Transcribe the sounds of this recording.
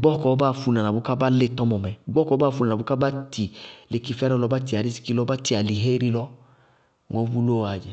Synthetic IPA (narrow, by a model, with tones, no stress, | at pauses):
ɡ͡bɔ˦kɔ˨˧˦ba˦˨fu˧nã˨na˨bu˨˦ka˦ba˦le˦˨tɔ˦mɔ˨mɛ˨ɡ͡bɔ˦kɔ˨˧˦baː˦˨fu˧na˨a˨u˦ka˦ba˦ti˨le˧˦ki˧fɛ˦ɾɔ̃˦˧lɔ˧ba˦ti˧˨a˨ɾi˦si̥˧ki˧lɔ˧˦ba˦ti˧˨a˨li˨ɦe˦ɾi˧lɔ˦ | ŋɔ̃˨˦vu˦lo˦˨a˨d͡ʒɛ˨